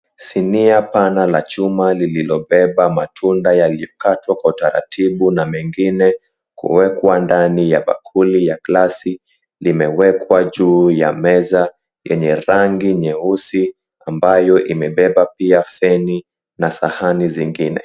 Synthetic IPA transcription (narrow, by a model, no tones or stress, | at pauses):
siniapanalat͡ʃumalililɔɓɛɓamatʰundajalijɔkatwakwautaɾa̰tʰiɓunamɛŋɡinɛ | kṵwɛkwandanijaɓa̰kʰulijaklasi | limɛwɛkwaʄuːja̰mɛza | jɛ̰ɲɛɾaŋɡiɲɛusi | ambajɔʔimɛɓɛɓapiafɛni | nasahaniziŋɡinɛ̰